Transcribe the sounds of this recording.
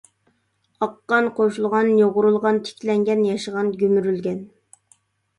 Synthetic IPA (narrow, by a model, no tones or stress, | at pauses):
ɑqːɑnqʰoʃulˠʁɑnjoʁʊɾulˠʁɑnt̪ʰɪ̥kʲlɛŋɡʲɛnjɑʃəʁɑnɡʲymyɾylɡʲɛn